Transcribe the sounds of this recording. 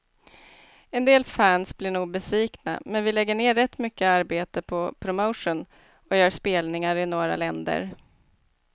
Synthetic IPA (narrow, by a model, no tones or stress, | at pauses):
ɛnd̪eːlfæːnsblɪɳuːɡ̚bɛsviːkna̰mɛnvɪlɛɡːəɳeːɾɛt̪ːmʏkːəaɾbeːt̪əpʰɔpʰɾʊmoʊʂʊn | ɔjœːʂpeːlnɪŋaɾɪnoːɾa̰lɛnd̪ə̰ɾ